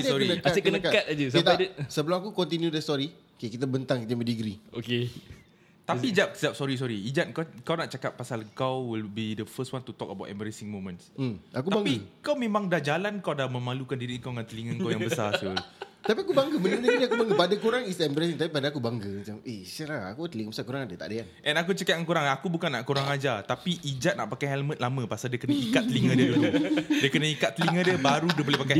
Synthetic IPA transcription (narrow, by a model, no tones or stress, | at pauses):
sɔɾinəkaasəkənəkatkat̪̚ad͡ʒəsit̪adsəbəlʊmakukɔnt̪̬injudɛsɔɾi | okekit̪abənt̪aŋkit̪əmə̃diɡɾioke | t̪apiːd͡ʒap̚sədap̚sɔɾis̬ɔɾiid͡ʒat̪̚kakawnaʔt͡ʃakapːasaləŋkawwilbidəfəstwant̪ut̪ɔkəba̰tʔɛ̰mbəɾɛsɪŋmõmə̃nsm̩ʔakubãŋpiɡkawmẽmãŋdahd͡ʒalankawdamə̃malukandiɾiəŋkawŋãnt̪əliŋəŋkawjaŋbəsasɔit̪apiakubaŋɡəməlit̪ədiakubaŋɡəpadakuɾaŋisɛmbəɾasiŋt̪apipadaakubaŋɡəmat͡ʃamesəlaa̰kut̪əliŋəbəsakuɾaŋadat̪a̰ʔdəanʔɛ̃nakut͡ʃəkat̪̚ŋankuɾaŋakubukanaʔkuɾaŋad͡ʒat̪apiʔid͡ʒat̪̚na̰ʔpakajɦɛlmə̃t̪̚lamə̃pasaldiəkənəikat̪̚ːəliŋə̃diəduludiəkənəikat̪ːəliŋə̃diəbaɾudəbolehpaka